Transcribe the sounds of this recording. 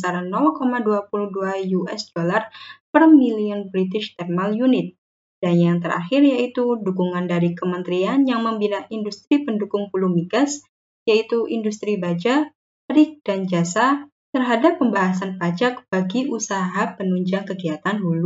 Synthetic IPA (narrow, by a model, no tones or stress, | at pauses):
əsaɾanɔlkomaduapuluhduajuɛsdolarpərmiliɔnbɾit̪ɪʃt̪ɛrmaljunɪt̪̚ | d̥anjaŋt̪əɾʔa̰xɪrjait̪udukuŋandaɾikəmənt̪ɾianjaŋməmbinaʔindust̪ɾipəndukʊŋpuluhmiɡas | jait̪uʔindust̪ɾibad͡ʒa | əɾɪk̚d̥and͡ʒasa | t̪ərɦadapːəmbaɦasanpad͡ʒak̚b̥aɡiʔusaɦapənuɲd͡ʒaŋkəɡiat̪anɦulu